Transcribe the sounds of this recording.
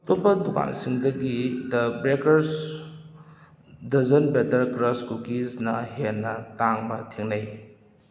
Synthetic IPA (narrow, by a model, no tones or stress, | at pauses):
topɐduka̰nsiŋdɐɡidɐbɾekɐɾs | dɐzɐnbetɐɾkɾɐskukisnɐhenːɐtaŋbɐtʰeŋnaj